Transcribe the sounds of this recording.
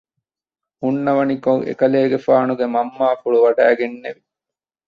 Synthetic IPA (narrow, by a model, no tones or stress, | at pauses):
unːɐʋɐnikoŋʔḛkɐleːɡefaːnuɡemɐmːaːfuɭuʋɐɖæːɡenːeʋi